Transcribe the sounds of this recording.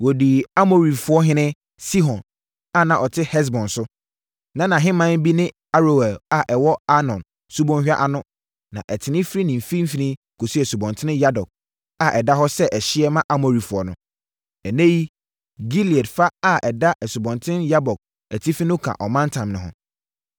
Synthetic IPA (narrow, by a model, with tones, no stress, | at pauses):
wɔ˨di˨a˦mo˨ɾi˨fʊ˦ɔ˦ɦɪ̃˦nɪ̃˦ | si˦ɦɔ̃˨n | a˦˨nã˨ʔɔ˨tʰɪ˦hɛ˦s̬bɔ̃˨nsʊ˦ | nã˦nã˨ɦɪ̃˦mã˦n˦bi˦nɪ̃˦ | a˦ɾo˨wæ˨a˨ʔɛ˨wɔ˦a˦nɔ̃˨n | su˦bɔ̃˦nhᶣa̰˦ʔa˨nʊ̃˦ | nã̰˨ʔɛ˨tʰɪ˨nɪ̃˦fɾi˦nɪ̃˨m˨fi˦m̩˦fi˨nĩ˦ | kʰo˨si˦ɛ˨su˨bɔ̃˨ntʰɪ˦nɪ̃˦ja˦dɔ˨k̚ | a˦˨ʔɛ˨da˦ɦɔ˦sɛ˦ʔɛ˨ɕɪ˦ɛ˦mã˦ʔa˦mo˨ɾi˨fʊ˨ɔ˨nʊ̃˦ | ɛ˨nẽ˦ji˦ | ɡi˦li˨ɛ˨dfa˦a˦ʔɛ˨da˦ʔɛ˨su˨bɔ̃˨ntʰɪ̃˦nja˦bɔ˨k̚ | æ˨tʰi˦fi˦nʊ̃˦kʰã̰˨ʔɔ˨mã˦n˦tʰã˨mnʊ̃˨ɦʊ̰̃˦